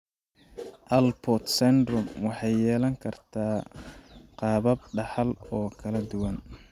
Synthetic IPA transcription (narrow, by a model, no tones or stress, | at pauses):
ʔɐlpʰɔt̪sɛnd̪rʊmwɑħɑjːɛːlɐŋkʰɐrt̪ʰaː | qɑːβɐb̚ɖɑħɑlɔːkʰɐlɐd̪ʊwɐn